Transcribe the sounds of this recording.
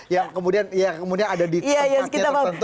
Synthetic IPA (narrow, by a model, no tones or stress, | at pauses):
jaŋkəmudianjakəmudianadadijajaskit̪abat̪